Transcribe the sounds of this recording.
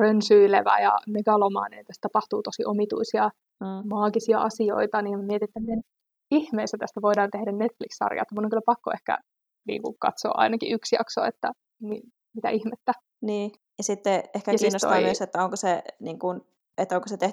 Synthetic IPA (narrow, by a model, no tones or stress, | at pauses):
rønsyileʋæ̰jɑ̰meɡ̥ɑlomɑ̰ːnḛnet̪ːæst̪ɑpɑht̪uːt̪osiʔomit̪ṵisiɑ | mɑːɡisiɑʔɑsio̰it̪ɑniːmæmiet̪inet̪ːæmien | ihmeist̪æt̪æst̪æʋoidɑːnt̪ehdænnet̪flikssɑ̰rjɑ̰t̪ːɑmut̪oŋkylæpɑkːoehkæ̰ | nḭːŋkukɑ̰t̪so̰ːʔɑ̰inɑkiʔyksjɑ̰kso̰et̪ːæ | mi | mit̪æ̰ʔihmet̪ːæ | niː | jɑsit̪ːeehkæjɑsiːnːost̪o̰ɑmyøset̪ːæoŋkoseniːŋkun | et̪ːoŋkoset̪eh